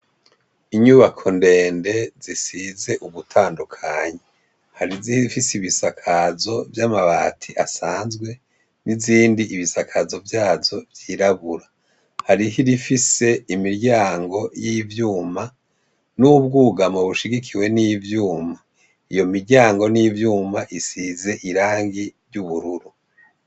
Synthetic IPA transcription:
iɲuβakʰo̞nde̞ːnde̞zisize̞ʔuβutʰaːndukʰaɲe | haɾizihiifisiβisakʰazo̞vjamaβatʰiʔasaːnzɡwe̞ | niziːndiʔiβisakʰazo̞vjaːzo̞vjiːɾaβuɾa | haɾihiɾifise̞imiɾɟaːŋɡo̞jivjuːma | nubɡuɡamoβuʃiɡikʰiwe̞nivjuːma | ijo̞miɾɟaːŋɡo̞niːvjuːmaʔisize̞ʔiɾaːŋɡiɾɟuβuɾuɾu

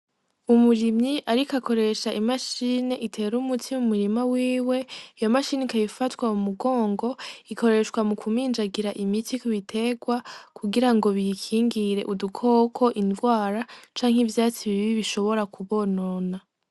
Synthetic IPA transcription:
umuɾimɲiʔaɾikako̞ɾe̞ʃaʔimaʃiːne̞ʔitʰe̞ɾumutʰimumuɾimawiːwe̞ijo̞maʃiːnekajifatwaumuɡo̞ːŋɡo̞iko̞ɾe̞ʃwamukʰumiːnd͡ʒaɡiɾaʔimitikuβitʰe̞ɡwakʰuɡiɾaŋɡo̞βikʰiːŋɡiɾe̞ʔudukʰo̞kʰo̞ʔindɡwaːɾat͡ʃaːŋ̥ivjaːt͡siβiβiβiʃo̞βo̞ɾakuβo̞nona

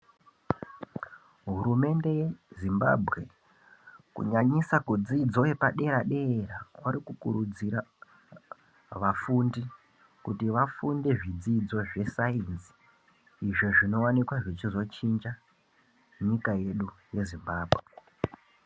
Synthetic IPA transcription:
ɦuɾume̞nde̞jezimba̰bʱɣe̞ | kṵɲaɲisakud͡zid͡zo̞e̞paɗe̞ɾaɗe̞rakwaɾikukuɾud͡ziɾa | ʋafundi | kutiʋafunde̞ʐid͡zid͡zo̞ʐe̞sainsi̥ | iʐoʐino̞wanikwaʐit͡ʃizo̞t͡ʃind͡ʒa | ɲikaje̞ɗuje̞zimbaːbʱɣe̞e

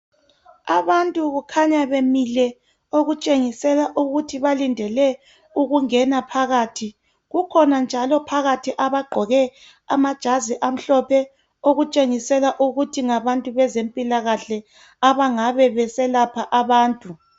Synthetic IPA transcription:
aβantʼuɣukʰaɲaβemilɛ | oɣut͡ʃʼeŋisɛlaʔuɣutʰiβalindʱɛlɛ | uɣuŋɛnapʰaɣaːtʰi | ɣukʰɔnand͡ʒʱalɔpʰaɣatʰiʔaβaɡ͡ǃʱɔɣɛ | amad̥ʒ̥ʱaziʔam̩ɬɔpʰɛ | oɣut͡ʃʼeŋisɛlaʔuɣutʰiŋaβantʼuβɛzempʼilaɣaɬɛ | aβaŋaβɛβɛsɛlapʰaʔaβaːntʼu

